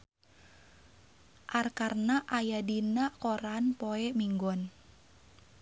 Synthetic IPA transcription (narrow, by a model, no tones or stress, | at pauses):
ʔarkarnaʔajadinakoɾanpoɛmiŋɡɔn